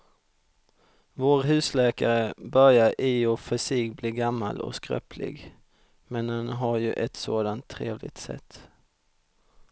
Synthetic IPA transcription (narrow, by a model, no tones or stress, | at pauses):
voːɾɦʉ̟ːslɛːkaɾəbœɾjaɾʔɪɔfɪsiːkbliːɡamːa̰lɔ̰skɾœ̰ːpʰlɪ̰ɡ | mɛnhanɦaɾjɵʔɛt̪soːd̪ant̪ʰːɾeːvlɪ̰ɡ̚t̪sɛ̰t̪ː